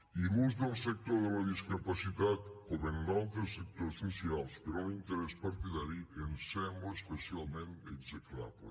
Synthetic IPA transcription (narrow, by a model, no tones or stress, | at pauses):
iɣunzðelˠsek̚t̪oɾðəlaðiskapasit̪at̪oβenːalˠt̪ɾesek̚t̪oɾsosialˠspəɾonint̪eɾɛspaɾt̪iðaɾiensɛŋoespesialˠmẽnt̪eɡzekla̰βlḛ